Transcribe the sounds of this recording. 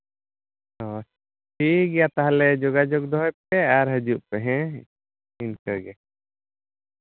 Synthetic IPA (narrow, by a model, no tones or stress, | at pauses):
ɔ | ʈʰiɡɛjat̪aɦalɛd͡ʒɔɡad͡ʒɔk̚d̪ɔɦɔjp̚ɛaɾɦəd͡ʒuʔpɛɦɛ̃ | inkəɾɡɛ